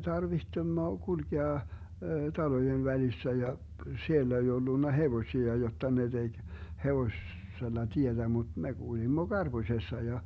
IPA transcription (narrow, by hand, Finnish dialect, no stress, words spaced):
tɑrʋihtemːo kulkeɑ tɑlojeʋ ʋælisːæ jɑ sielːæ ei olːunːɑ heʋosʲiɑ jotːɑ ne d̥eɡ̊ heʋosː selːɑ tietæ mut me ɡ̊ulimːo ɡ̊ɑrb̥usʲesːɑ jɑ